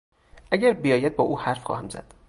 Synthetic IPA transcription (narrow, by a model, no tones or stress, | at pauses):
ʔæɟæɾbijɒːjæd̪̚bɒːʔuːhæɾfχɒ̰ːhæmzæ̰d̪̥